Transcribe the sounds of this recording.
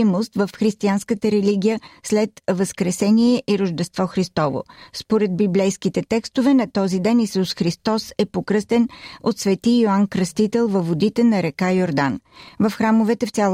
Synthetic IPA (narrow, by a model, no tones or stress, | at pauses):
most̪vəfxɾist̪ianskət̪əɾɛliɡʲijəslɛt̪vəskɾɛsɛniɛʔiɾoʒd̪ɛst̪vɔxɾist̪ɔvo̰spoɾɛd̪̚biblɛjskit̪ɛt̪ɛkst̪ovɛnɐt̪ɔzid̪ɛnisusxɾist̪ɔsɛpokɾɤst̪ɛnot̪svɛt̪ioankɾəst̪it̪ɛlˠvɐvod̪it̪ɛnɐɾɛkajoɾd̪anvəfxɾamovɛt̪ɛft̪ʲalˠ